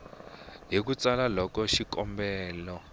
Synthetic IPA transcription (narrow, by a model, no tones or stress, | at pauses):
ɦik̬ut͡salalɔkɔʃikɔmbɛːlɔ